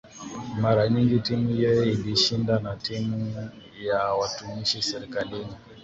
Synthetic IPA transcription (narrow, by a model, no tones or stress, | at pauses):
maɾaɲiŋɡitimuijɔjɛiliʃindanatimuu | jawatumiʃisɛɾikalini